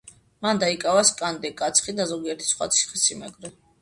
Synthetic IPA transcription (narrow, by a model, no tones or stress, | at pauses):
mand̪aikʼavaskʼand̪ɛkʼat̪sʰχid̪azɔɡiɛɾt̪ʰi̥sχwa̰t̪sʰi̥χisimɛ̰ɡvɾɛ